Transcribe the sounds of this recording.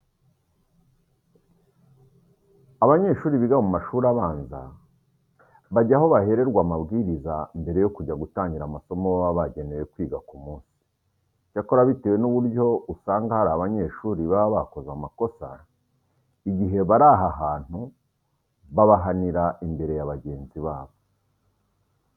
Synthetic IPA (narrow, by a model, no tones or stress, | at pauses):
aβaɲe̞ʃuːɾiβiɡamumaʃuːɾaβaːnza̰ | βaɟaɦo̞βahe̞ɾe̞ɾɡwaːmabɡiːɾizambe̞ɾe̞jo̞kuɟaɡutaːɲɟiɾamaso̞moaβaɟe̞neje̞kwiːɡakumuːnsi̥ | cako̞ɾaβite̞we̞nuβuɾɟo̞usaːŋɡahaɾaaβaɲe̞ʃuːɾiβaβaβako̞zamako̞sa | iɟiɦe̞βaɾaːɦaɦaːn̥hu | βaβaɦaniɾaimbe̞ɾe̞jaβaɟe̞ːnziβaːβo̞